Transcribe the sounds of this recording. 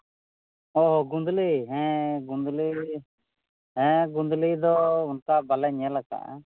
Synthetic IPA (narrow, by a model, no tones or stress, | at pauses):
ɔɦɡũnd̪liɦɛ̃ɡũnd̪li | ɦɛ̃ɡũnd̪lid̪ɔʊnkabalɛɲalaka̰